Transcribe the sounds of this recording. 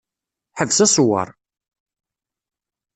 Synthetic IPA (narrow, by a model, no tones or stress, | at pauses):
ħəvsæswɑ̰ɾˤ